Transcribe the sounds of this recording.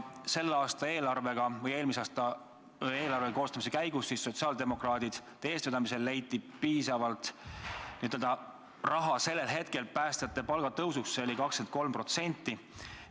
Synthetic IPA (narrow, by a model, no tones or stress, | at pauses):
se̞lːɑːst̪ɑe̞ːlɑrve̞ɡ̥ɑvɤje̞ːlmisɑːst̪ɑ | eːlɑrveko̞ːst̪ɑmise̞kæjɡ̥usːisːo̞t̪siɑːld̪e̞mo̞krɑːd̪̥id̪̥t̪e̞ːst̪ed̪ɑmis̬e̞lːe̞jt̪ːˑipiːsɑvɑlt̪nit̪ːˑøld̪̥ɑ | rʔɑɦɑse̞lːe̞lɦe̞t̪ke̞lpæːst̪ɑɑt̪ːˑe̞pɑlɡ̥ɑt̪ɤwsuksːeolikɑkskent̪̚ko̞lmpro̞t̪se̞nʲt̪ˑːi